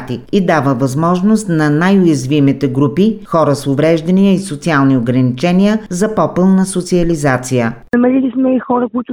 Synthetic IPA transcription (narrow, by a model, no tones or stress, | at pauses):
t̪ikid̪avəvɐzmɔʒnost̪nɐnajʊjɐzvimit̪ɛɡɾupixɔɾəsʊvɾɛʒd̪ɐnijəisot̪sialˠnioɡɾɐnit͡ʃɛnijəzɐpɔpɤlˠnəsot̪siɐlizat̪sijə | ɐmɛlilismɛixɔɾəkʊit̪ʊ